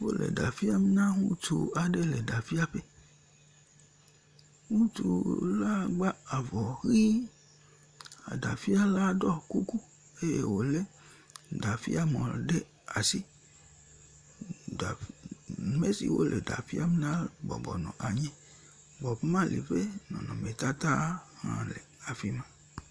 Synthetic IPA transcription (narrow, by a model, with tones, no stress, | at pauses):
wo˦lḛ˨da˨fi˦a˦me˦nã˦ŋũ˦t͡ʃu˨a˨ɖe˦le˨ɖa˨fi˦a˦ɸe˦ | ŋũ˦tu˨la˦ɡ͡ba˦a˨vɔ˨hi˦ | a̰˨da̰˨fi˦a˦la˦ɖɔ˦ku˦ku˦ | e˦jḛ˨wo˨le˦ | da˨fḭ˦a˦mɔ̃˨ɖe˦ | a˨si˦ | da˨ | me˦sḭ˨wo̰˦lʔḛ˨da̰˨fi˦a˦m˦nã˦bɔ̰˨bɔ˨nɔ̰̃˨ʔa˨ɲẽ˦ | ɡ͡bɔ˨pe˦mã˦˨lḭ˨fe˦nɔ̰̃˨nɔ̃˨me˨t̪a˦t̪a˦hã̰˨le˨a˨fi˦mã˦